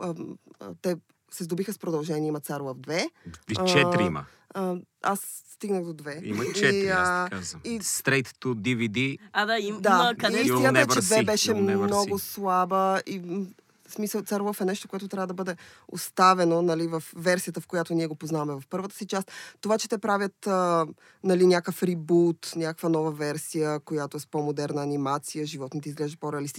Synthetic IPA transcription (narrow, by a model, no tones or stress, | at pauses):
ət̪ɛ | sɛzd̪obixəspɾod̪ɐlˠʒɛnʲiəimɐt̪saɾlˠəfd̪vɛt͡ʃɛiim̰ | ə | asːt̪iɡnəɣd̪od̪vɛḭt͡ʃɛazist̪ɾɛjt̪od̪ivid̪iad̪aid̪asmʲjat̪ɛt͡ʃɛd̪vɛbɛʃɛmnnɔɡoslˠabəi | smisəlˠt̪saɾvˠəfɛnɛʃt̪okoɛt̪ot̪ɾʲavəd̪ɐbəd̪ɛo̰st̪avɛnonɐlivɐfːɛɾsijət̪əfkojat̪oniɛɡopoznavɐmɛvɐfpɤɾvət̪ə̥sit͡ʃast̪t̪ovat͡ʃɛ̥t̪ɛpɾavʲjət̪ə | nɐlinʲjakəfɾibut̪nʲjakə̥kvənɔvəvɛɾsijəkojat̪oɛspomod̪ɛɾnəːnimat̪sijəʒivɔt̪nit̪izɡlɛʒd̪əpoɾɛɐlist̪i